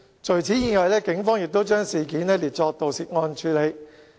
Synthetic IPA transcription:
t͡ʃʰɵ˨˩ɥt͡sʰiː˨˥jiː˨ŋɔ˨jlɛː˥kɪ˨˥ŋfɔː˥ŋjɪ˨k̚t̪o˥wt͡ʃœː˥ŋsiː˨kiː˨˥nɛː˥˩liː˨˩t͡sɔː˧k̚t̪o˨wsiː˨t̚ŋɔː˧nt͡ʃʰyː˨˧le˨˧j

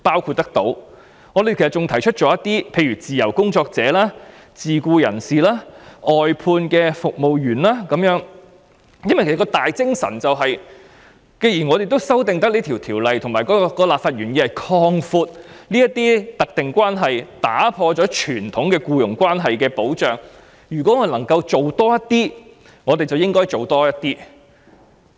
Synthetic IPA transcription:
paː˥wkʰuː˧t̚t̪ːɐ˥k̚t̪o˨˥w | ŋɔː˨˧d̪e˨jkʰsɐ˩t͡sʊ˨ŋt̪ʰɐ˨˩jt͡ʃʰɵ˥t̚t͡ʃɔː˨˥jɐ˥t̪iː˥pʰe˧jɥyː˨˩t͡siː˨jɐ˨˩wkʊ˥ŋt͡sɔː˧k̚t͡sɛː˨˥laː˥ | t͡siː˨˩kuː˧jɐ̰˨˩nsiː˨laː˥ʔɔː˨jpʰuː˧nkɛː˧fʊ˨k̚mo˨wjyː˨˩nlaː˥kɐ˨˥mjœː˨˥ŋ | jɐ˥nwɐ˨jkʰe˨˩skɔ˧t̪aː˨jt͡sɪ˥ŋsɐ̰˨˩nt͡sɐ˨wɦɐ˨j | ke˧jiː˨˩nŋɔ˨˧ɾe˨jt̪̬o˥wsɐ˥wt̪ɪ˨ŋt̪̬ɐ˥k̚liː˥t̪ʰi˨˩wt̪ʰiː˨˩wlɐ˨jt̪ʰʊ˨˩ŋmaː˨˩jkɔː˨˥˧kɔː˧laː˨p̚faː˧t̚ɥyː˨˩njiː˧˥hɐ˨jkʰɔː˧ŋfuː˧t̚liː˥jɐ˥t̪iː˥t̪ɐ˨k̚t̪ɪ˨ŋkʷaː˥nɦɐ˨jt̪a̰ː˨˥pʰɔː˧t͡ʃɔː˨˥t͡ʃʰyː˨˩nt̪ʰʊ˨˥ŋkɛː˧kuː˧jʊ˨˩ŋkʷaː˥nɦɐ˨jkɛː˧po˨˥wt͡ʃœː˨ŋ | jyː˨kɔ˨˥ŋːɔː˧˨nlɐ˨˩ŋkɐ˧wt͡so˨wt̪ɔː˥jɐ˥t̪iː˥ | ŋɔː˨˧t̪e˨jt͡sɐ˨wjɪ˥ŋkɔː˥jt͡so˨˩wt̪ɔː˥jɐ˥t̚t̪iː˥

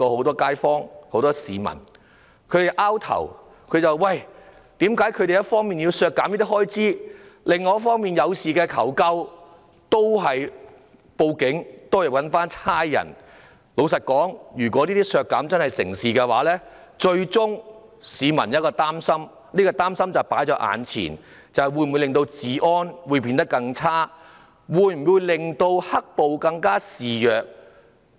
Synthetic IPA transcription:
ɔː˧ho˨˥wt̪ɔː˥kaː˥jfɔː˥ŋho˨˥wt̪ɔː˥siː˨˧mɐ̰˨˩n | kʰɵ˨˧ɥɾe˨˩jʔaː˥wt̪ʰɐ̰˨˩w | kʰɵ˨˧t͡sɐ˨wwɐ˨˩j | t̪iː˨˥mkaː˨˥jkʰɵ˨˧ɥɾe˨jɐ˥tfɔː˥ŋmiː˨nji˧wsœː˧kːaː˨˥mji˥t̪i˥hɔː˥jt͡siː˥lɪ˨ŋɔː˨˦jɐ˥fɔː˥ŋmiː˨njɐ˨˧wsiː˨˩kɛː˧kʰɐ̰˨˩wkɐ˥w | t̪o˥wɦɐ˨j | po˧wkɪ˨˥ŋt̪o˥wjɐ˨˩wɐ˨˥nfaː˥nt͡sʰaː˥jjɐ̰˨˩n | lo˨˧wsɐ˨t̚kɔː˨˥ŋjyː˨˩kʷɔː˨˥liː˥t̪iː˥sœː˧kːɐ˨˥mt͡sɐ˥nhɐ˨jsɪ̰˨˩ŋsiː˨kɛː˧waː˨˥lɛː˥ | t͡ʃɵ˧ɥt͡sʊ˥ŋ | siː˨˧mɐ˨˩njɐ˥t̚kɔː˧t̪aː˥msɐ˥m | niː˥kɔː˧t̪aː˥msɐ˥mt͡sɐ˨wpaː˨˥jt͡ʃɔː˨˥ʔa̰ː˨˧nt͡sʰḭː˨˩n | t͡sɐ˨wjwuː˧jm˨u˨˧lɪ˨ŋt̪o˧wt͡siː˨ʔɔː˥nwu˨˧jpiː˧nt̪ɐ˥kːɐ˧ŋt͡sʰaː˥ | wuː˨˧jm̩˨˩wuː˨˧jlɪ˨ŋt̪o˧whɐ˥k̚po˨wkɐ˧ŋkaː˥siː˨jœː˨k̚

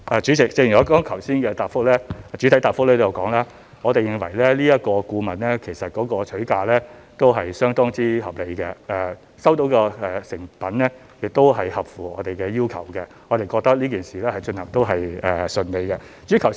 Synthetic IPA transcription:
ʔɛː˨t͡ʃy˨˥t͡sɪ˨k̚t͡sɪ˧ŋɔː˨˧˥kɔː˥ŋkʰɐ˨˩wsiː˥nkɛː˧t̪aː˨p̚fʊ˥k̚lɛː˥˨t͡ʃyː˨˥t̪ʰɐ˨˥jt̪aː˨˩fʊ˥k̚lɛː˥t̪o˥jɐ˨˧wkɔː˨˥ŋlaː˥ | ŋɔː˨˧t̪e˨jɪ˨˧ŋwɐ̰˨˩jlɛ˥liː˥jɐ˥t̚kɔː˧kuː˧mɐ˨nlɛː˥kʰe˨˩jsɐ˨t̚kɔː˨˥kɔː˧t͡ʃʰɵ˨˥ɥkaː˧lɛː˥ | t̪o˥wɦɐ˨jsœː˥ŋt̪ɔː˥ŋt͡siː˥hɐ˨p̚le˨˧jkɛ˧ʔɛː˨ | sɐ˥wt̪o˨˥wkɔː˧ɛː˨˩sɪ˨˩ŋpɐ˨˥nlɛː˥ | jɪ˨k̚t̪o˥wɦɐ˨jhɐ˨p̚fuː˨ɔː˨˧t̪e˨jkɛː˧jiː˥wkʰɐ̰˨˩wkɛ˧ | ŋɔː˨˧t̪e˨jkɔː˧k̚t̪ɐ˥k̚liː˥k̬iː˨nsiː˨lɛː˥hɐ˨jt͡ʃɵ˧nhɐ˨˩ŋt̪o˥wɦɐ˨jɛː˨˩sɵ˧nle˨˧jkɛ˧t͡ʃyː˨˥kʰɐ˨˩w

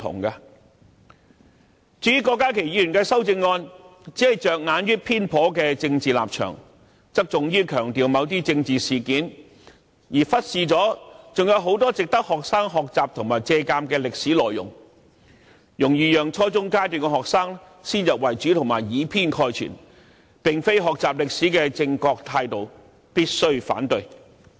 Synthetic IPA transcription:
t̪ʰʊ̰˨˩ŋkaː˧ | t͡ʃyː˨˥kɔː˧kːaː˥kʰe˨˩ji˨˧jyː˨˩nkɛː˧sɐ˥wt͡sɪ˧ŋːɔː˧nt͡siː˨˥hɐ˨jt͡ʃœː˨k̚ŋaː˨˥njyː˥pʰiː˥npʰɔː˨˥kɛː˧t͡sɪ˧ŋt͡siː˨˩la̰ː˨p̚t͡ʃʰœ̰ː˨˩ŋ | t͡sɐ˥k̚t͡sʊ˨ŋjyː˥kʰœː˨˩ŋt̪iː˨wmɐ˨˧˥wt̪̬iː˥t͡sɪ˧ŋt͡siː˨siː˨˩kiː˨˥n | jiː˨˩fɐ˥t̚siː˨t͡sɔː˨˥t͡sʊ˨ŋjɐ˨˧wɦo˨˥wt̪ɔː˥t͡sɪ˨k̚t̪ɐ˥k̚hɔː˨k̚saː˥ŋɦɔː˨k̚t͡saː˨p̚t̪ʰʊ˨˩ŋmaː˨˩jt͡sɛː˧kaː˧mkɛː˧lɪ˨k̚siː˨˥lɔː˨jːʊ̰˨˩ŋ | jʊ˨˩ŋjyː˨˩jœː˨˩ŋt͡ʃʰɔː˥t͡sʊ˥ŋkaː˥jt̪yː˨nkɛ˧ɦɔː˨k̚saː˥ŋ | siː˥njɐ˨p̚wɐ˨˩jt͡ʃyː˨˥t̪ʰʊ˨˩ŋmaː˨˩jjiː˨˥pʰiː˥nkʰɔː˧jt͡ʃʰy̰˨˩n | pɪ˨ŋfe˥jɦɔː˨k̚t͡saː˨p̚lɪ˨k̚siː˨˥kɛː˧t͡sɪ˧ŋkɔː˧k̚t̪ʰaː˧jt̪o˨w | piː˥t̚sɵ˥ɥfa̰ː˨˥nt̪ɵ˧ɥ

